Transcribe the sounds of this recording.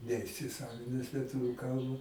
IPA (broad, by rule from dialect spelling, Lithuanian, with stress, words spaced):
nʲɛɪsʲɪˈsɑːʋʲɪnʲɛs lʲiɛˈtʊʋʲʊ ˈkɐlˠbɐ